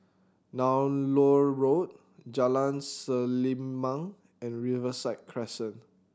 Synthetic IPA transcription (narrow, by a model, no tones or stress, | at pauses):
nãwnloɹot̚ | d͡ʒalãnsəlimmãŋ | ɛ̃nɹivəsaɪt̚kʰɹɛsə̃n